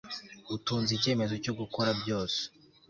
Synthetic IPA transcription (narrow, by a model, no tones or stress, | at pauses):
utuːnzice̞ːme̞zo̞coɡukoɾabɟo̞ːse̥